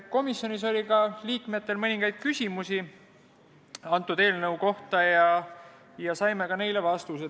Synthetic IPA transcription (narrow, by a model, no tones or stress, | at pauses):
ko̞misjo̞niso̞lʲikɑliːkme̞t̪ːˑe̞lmɤniŋɡ̥ɑjd̪̥̚kysʲimusi | ɑnt̪ːˑud̪̥e̞ːlnɤwko̞ht̪ɑjɑ | jɑsɑjme̞kɑne̞jle̞vɑst̪use